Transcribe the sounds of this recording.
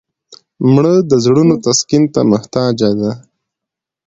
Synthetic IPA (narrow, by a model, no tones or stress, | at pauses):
mɳəd̪əzɽunot̪askɪnt̪a̰mʊht̪ɑd͡ʒad̪a